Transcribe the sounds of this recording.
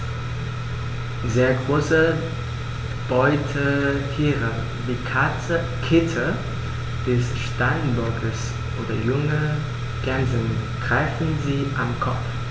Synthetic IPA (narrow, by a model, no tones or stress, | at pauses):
zeːɐɡʁoːsə | b̥ɔʏtʰəhʰiːʁə | viːkʰa | ə | kʰɪtʰə | d̥ɛsʃtaɪnbɔɐɡəs | ʔoːdɐjʊŋə | ɡ̥ɛnzənɡ̥ʁ̥aɪfn̩ziːʔamkʰɔf